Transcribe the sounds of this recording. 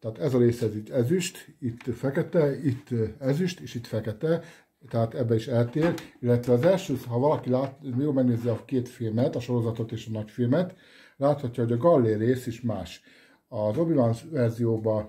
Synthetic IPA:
t̪ɛaːt̪ɛzɒɾeːsɛziɟɛzyʃt̪it̪ːfɛkɛt̪ɛit̪ːɛzyʃt̪eːʃit̪fɛkɛt̪ɛ | t̪ɛɦaːt̪ɛbːɛiʃɛlt̪eːrilːɛt̪ʋɛɒːzɛlʃøːt̪ɦɒvɒlɒkilaːtjoːlmɛɡ̚neːzɛɒkeːt̪filmɛt̪ɒʃo̞ɾo̞zɒt̪o̞t̪eːʃɒnɒcfilmɛt̪ | laːt̪hɒcːɒɦo̞ɟɒɡɒlːeːreːseʃmaːʃ | ɒzobivansvɛrzijoːbɒ

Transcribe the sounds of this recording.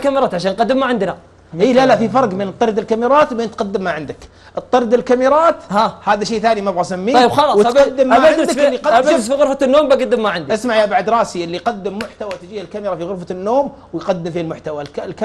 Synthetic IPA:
kamɾˤɑːt̪ʕaʃaːnqɑd̪ːɪmːaʕɪnd̪na | ʔiːlalaʔfifɑɾˤɡmɪnɨt̪ˤːɑɾd̪ɪlkamɪɾˤɑːt̪wbeːnt̪qɑd̪ːɪmːaʕɪnd̪ak | ʔɨt̪ˤːɑɾˤd̪ɪlkamɪɾˤɑːt̪hahaːðaʃejːθaːnimabɣasamːiːxɑlswɪt̪ad̪ːɪmːaaand̪klːiqɑd̪ʃʊffiɣʊɾfanːoːmbaɡad̪ːmːaʕɪnd̪iʔasmaʕjaʔbaʕad̪ɾˤɑːsiʔɪlːiqad̪ːɪmːʊħt̪awat̪ɪd͡ʒiːhalkamɪɾɑfiɣʊɾfanːoːmwjqad̪ːɪmfilmʊħt̪awaklka

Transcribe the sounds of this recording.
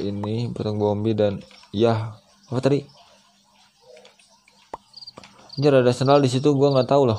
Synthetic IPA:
iniput̪aŋbɔmbidanjah | afat̪aɾi | ɲd͡ʒəɾadasənaldis̬it̪̬uɡuaŋat̪aula

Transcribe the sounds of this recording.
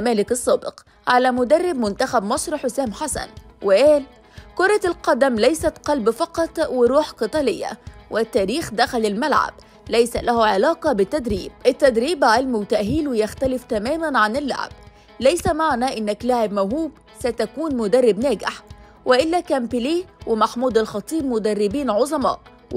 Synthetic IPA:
mæːlɪkɑsˤːɑːbɪq | ʕalæmʊd̪ɑrˤːɪbmʊnt̪axæbmɑsˤɾħosæːmħasæ̰nwɪʔæːl | kʊɾˤɑlqɑd̪æmlæjsæt̪qɑlbfɑqɑt̪ˤwɪɾˤuːħqɨt̪ˤɑlɪjːa̰wʔɪt̪ːæːɾiːxd̪æxælɪlmalʕa̰b | læjsælʔæhuʕɪlɑːqɑbɪt̪ːæd̪ɾiːb̚ʔɪt̪ːæd̪ɾiːbʕelmwt̪æʔɦiːlwɪjaxt̪ælɪft̪æmæːmænʕanɪlːa̰ʕ̰b̥̚ | læjsæmaʕnæʔɪnːɪklaʕɪbmawɦuːb | sæt̪ækuːnmʊd̪ɑrˤːɪbnæːɡɪħ | wɪʔɪlːækæmbɪliːwɪmaħmuːd̪alxɑt̪ˤiːbmʊd̪ærˤːɪbiːnʕozˤɑmɑ̰ːʔ

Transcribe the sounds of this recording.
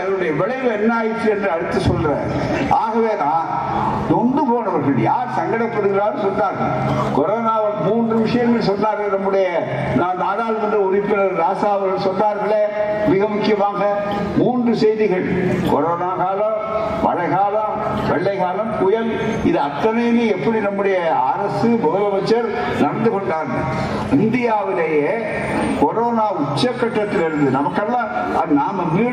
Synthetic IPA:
ɐðɯɯɽɐjɐʋɛɭɐɪʋɛnːaːjt̪ːɯɛndrɯɐɽɯt̪ːɯsɔlːɾaɐ̰ːɾ | ʔaːɣɐʋeːnãː | d̪ɔɳɖɯpoːnɐʋɐɾɣɐɭjaːɾsɐŋɡɐɽɐɪpːɐɽɯɣɪɾaːɾsɔnːaːɾɣɐ̰ɭkɔɾoːnaːʋɐɾmuːndrɯʋɪʂɐjɐŋɡɐɭsɔnːaːɾɣɐɭnɐmːɯɽɐjɐ | naːnnaːɽaːlmɐndrɐʊɾɪpːɪnɐɾaːsaːʋɐɾɣɐɭsɔnːaːɾɣɐɭeːmɪɣɐmʊkːɪjɐmaːɡɐ | muːndrɯsɛjðɪɣɐɭkɔɾoːnaːɣaːlɐ | ʋɐ̰ɻɐɪɣaːlɐ | ʋɛɭːɐɪɣaːlɐmkʊjɐl | ɪðɐɐt̪ːɐnɐjɪlɯɛpːɐɽinɐmːɯɽɐjɐaːɾɐsɯbɐɣɐlɐʋɐt͡ʃːɐɾ | nɐɽɐnd̪ɯɣɔɳɖaːɾɣɐ̰ɭ | ɪnd̪ɪjaːʋɪlejeː | kɔɾoːnaːʊt͡ʃːɐkːɐʈːɐt̪ːɪlɛɾɯnd̪ɯnɐmɐkːɐlːã | ɐ̰naːmɐmiː

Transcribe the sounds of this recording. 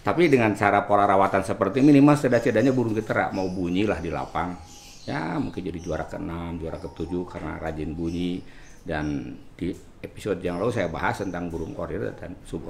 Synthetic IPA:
t̪apidəŋant͡ʃaɾapolaɾawat̪ansəpərt̪iminimalsədat͡ʃədaɲabuɾʊŋkit̪aɾa̰maubuɲilahdila̰paŋ | ja̰muŋkɪnd͡ʒadid͡ʒuaɾakəənamd͡ʒuaɾakət̪ud͡ʒukaɾəna̰kad͡ʒɪnbuɲi | dandi | epi̥sɔdjaŋlausajaba̰ɦast̪ənt̪aŋbuɾʊŋko̰ɾrt̪a̰t̪a̰nsubu

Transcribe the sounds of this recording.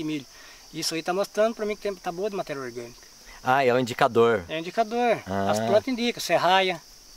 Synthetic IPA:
ɪmilʊ | isʊait̪amost̪ɾɐ̃nd̪ʊpɾɐmĩkɪt̪ẽj̃t̪aboɐd̪ɪmat̪ɛɾiɐoɾɡɐ̃nikɐ̥ | aɛw̃ĩd͡ʒikad̪oɾɛĩd͡ʒikad̪oɾãɐsplɐ̃nt̪ɐĩnd̪ikɐsɛɦajɐ

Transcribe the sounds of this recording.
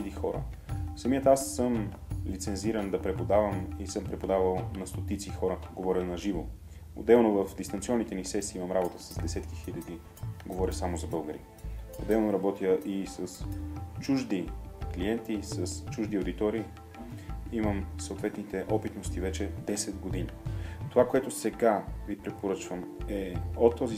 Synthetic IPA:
d̪ixɔɾə̰ | fsɐmijət̪asːɤm | lit̪sɛnziɾənd̪ɐpɾɛpod̪avəmisɤmpɾɛpod̪avəlˠnɐst̪ot̪it̪sixɔɾəɡovɔɾʲənɐʒivo | o̰d̪ɛlˠnovəfd̪ist̪ɐnt̪siɔnːit̪ɛnisɛsiːimɐmɾabot̪əsɐzd̪ɛsɛt̪kixilʲɐd̪i | ɡovɔɾʲəsamozɐbɤlˠɡəɾḭ | o̰d̪ɛlˠnoɾɐbɔt̪iəʔisəst͡ʃuʒd̪ikliɛnt̪isəst͡ʃuʒd̪iod̪it̪ɔɾiː | iməmsot̪vɛt̪nit̪ɛʔɔpit̪nost̪ivɛt͡ʃɛd̪ɛsɛd̪ɡod̪init̪ovakoɛt̪ʊsɛɡavipɾɛpoɾɤt͡ʃvəmɛot̪ːɔzi

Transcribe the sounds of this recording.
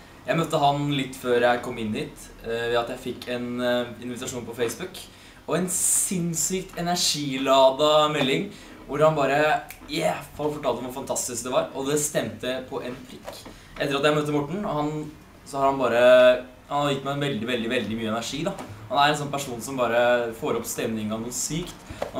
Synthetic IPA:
jæɪmœt̪ːəɦɑnlɪt̪ːføːɾjæɪkʰɔmːɪnːhiːt̪ | ʋɛɑt̪jæɪfɪkːɛnɪnʋɪt̪ɑʂuːnpʰɔfeɪsbʉk | ɔɛnsɪnsyːkt̪ɛnæʂiːlɑːd̪ɑmɛlːɪŋ | ʋʊɾhɑnbɑːɾəjæfɑlfɔʈʰɑːlt̪ɔmʋɑfɑnt̪ʰɑst̪ɪskd̪ɛʋɑɾɔd̪ɛst̪ɛmt̪əpʰɔʔɛnfʰɾɪkː | ʔɛt̪ːəɾɑt̪jæɪmøːt̪əmɔʈːɳ̩ɔhɑn | sɔhɑɾhɑnbɑːɾə | hɑnhɑɾjɪt̪ːmæɪnʋɛld̪ɪʋɛld̪ɪʋɛld̪ɪmyːəɛnæɾʂiːd̪ɑhɑnæɾɛnsɔnpʰæʂuːnsɔmbɑːɾəfoːɾɔpst̪ɛmnɪŋɑnuːsyːkt̪

